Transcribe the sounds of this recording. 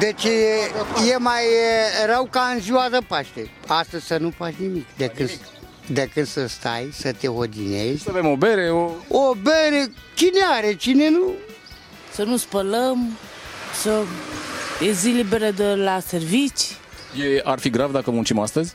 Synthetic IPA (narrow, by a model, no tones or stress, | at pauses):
d̪et͡ʃejemajeɾawkaɨnziwazəpaʃt̪e | ast̪əzʲsənupat͡ʃnimikd̪ekɨn | d̪ekɨnd̪səst̪a̰jsət̪eɦod̪inezʲavemobeɾeoobeɾet͡ʃineaɾet͡ʃinenu | sənuspələm | sə | ezilibeɾəd̪elaservit͡ʃjearfiɡɾavd̪akəmunt͡ʃimast̪əzʲ